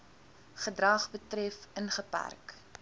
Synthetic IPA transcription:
χədrɐχbətrɛfənχəpæ̰rk

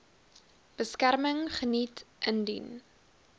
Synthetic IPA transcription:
b̥əskærməŋχənitʔəndy̰n

